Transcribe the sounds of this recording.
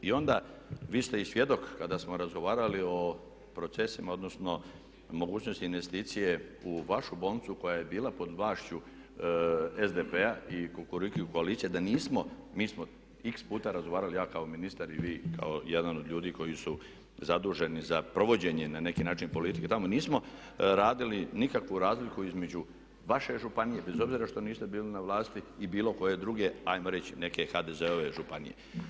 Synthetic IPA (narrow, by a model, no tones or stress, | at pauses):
io̞nd̪aʋiːst̪e̞isʋje̞d̪o̞kːad̪asmo̞ɾazɡo̞ʋaːɾalio̞ | pɾo̞t̪se̞simao̞d̪no̞sno̞ | mo̞ɡuːt͡ɕno̞st̪inʋe̞st̪iːt̪sije̞uʋaʃubo̞ːlnit̪suko̞jaje̞biːlapo̞d̪aːʃt͡ɕu | ezd̪epe̞aikokoɾikuukoalit̪sijed̪aniːsmo̞miːsmo̞ | ikspuːt̪aɾazɡoʋaːɾalijaːkao̞minist̪aɾiʋiːkʰa̰ojed̪anod̪ʎʲuːd̪iːko̞jisu | zad̪uːʒe̞nizapɾo̞ʋo̞d͡ʑe̞ɲe̞nane̞kiːnaːt͡ʃinpo̞lit̪i̥ket̪amo̞niːsmo̞ | ɾaːd̪ilinikakʋuɾaːzlikuizme̞d͡ʑu | ʋaʃe̞ʒupanije̞be̞zo̞bziːɾaʃt̪o̞niːst̪e̞biːlinaʋlˠaːst̪iːbiːlo̞ko̞je̞d̪ɾuːɡe̞ajmo̞ɾe̞t͡ɕine̞kexad̪e̞ze̞oʋe̞ʒupanḭje̞̰